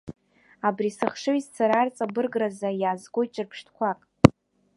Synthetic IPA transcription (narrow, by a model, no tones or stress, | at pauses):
abrisɨχʂɨizt͡sʰaɾart͡sʼabɨrɡrazajaːzɡʷojt͡ʃʼɨrpʰʂtʰkʷʰakʼ